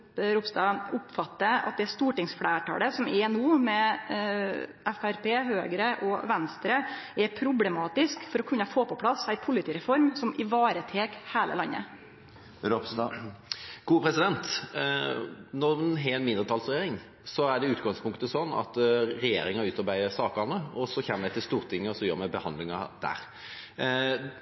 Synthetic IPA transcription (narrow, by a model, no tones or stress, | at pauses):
ɾʊpst̪ɑːʊpfɑt̪ːəɑ̰t̪̚d̪ɛæst̪uːʈɪŋsfɽæːʈʰɑ̰ːləsɔmɛnuːmɛ | ʔɛfæɾpeːɦøːɡɾəʔɔʋɛnst̪ɾəɛpʰɾʊblɛmɑːt̪ɪskfɔɾɔkʰʉnːɑfoːpɔpʰlɑsæɪpʰʊlɪt̪ʰiːɾɛfɔɾmsɔmɪʋɑːɾət̪ʰeːkheːlə̰lɑnːə̰ | ɾops | ɡ̥uːpʰɾɛsɪd̪ɛnt̪ | nɔʁmɛnɦɛɛnmɪnd̪ɾət̪ʰɑlsɾʁɛjeːɾɪŋ | sɔæɖɛʉːt̪ɡɑŋspʰʊŋkt̪əsɔnːɑ̰t̪ɾɛjḛːɾɪŋɑʉːt̪ɑɾbæɪəsɑːkɑnːəɔsɔçɛmːəd̪æɪt̪ɪlst̪uːʁt̪ʰɪŋːəɔsɔjœ̰ːɾmæbəhɑnd̪lɪŋɑd̪̥æ̰ɾ